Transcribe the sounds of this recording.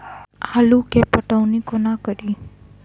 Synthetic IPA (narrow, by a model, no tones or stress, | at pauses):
halukepəʈəwnikonakəɾi